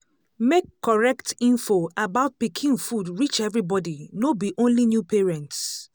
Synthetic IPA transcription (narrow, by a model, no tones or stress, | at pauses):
mekːɔɹɛktĩnfoabaʊt̚pikʰĩnfudɹit͡ʃɛvɹibɔdinobiʔõnlinjupʰeɹɛ̃nts